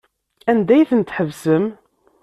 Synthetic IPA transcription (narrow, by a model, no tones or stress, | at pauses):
ænd̪æjθənt̪ħəvsəm